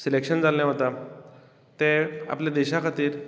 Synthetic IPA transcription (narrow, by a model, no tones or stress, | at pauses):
selekɕənd͡zaljaɦot̪a | t̪ẽa̰pljad̪eɕakʰat̪iːɾ